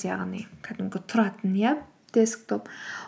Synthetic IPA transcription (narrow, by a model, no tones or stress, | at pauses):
ja̰ʁnikʰat̪əmɡet̪ʰʊɾat̪ə̆nja | t̪esə̥̆k̚t̪ʰʊp